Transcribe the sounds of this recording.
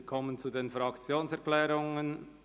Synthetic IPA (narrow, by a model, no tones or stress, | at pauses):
kʰɔmənt͡sudeːnfʁɑkt͡sjoːnsɛɐklɛːʁʊŋən